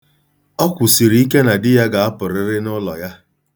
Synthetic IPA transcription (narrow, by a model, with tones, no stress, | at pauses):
ɔ˦kʷʊ˨si˨ɾi˦i˦ke˦na˨dɪ˦ja˦ɡa˨a˦pʊ˨ɾɪ˦ɾɪ˦nʊ˦lɔ˨ja˦